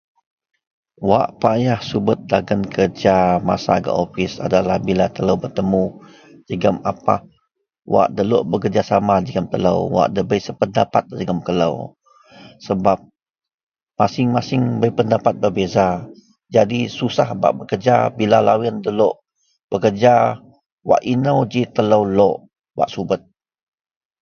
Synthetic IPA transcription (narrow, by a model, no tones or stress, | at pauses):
waʔpajahsubʊt̪̚daɡənkʰərd͡ʒama̰sa̰ɡə̰ʔofɪsa̰dalahbilat̪ələwbərt̪əmu | d͡ʒəɡəmapa̰h | wa̰ʔdəloʔbəkərd͡ʒasamad͡ʒəɡəmt̪ələ̰wwa̰ʔdəbəjsəpəndapat̪̚d͡ʒəɡəmkələ̰w | səbap̚ | masɪŋmasɪŋbəjpəndapat̪̚bərbeza | d͡ʒadisusahba̰ʔbəkərd͡ʒabilalawɪndəloʔ | b̥əkərd͡ʒa | wa̰ʔinəwd͡ʒit̪ələwloʔ | wa̰ʔsubət̪̚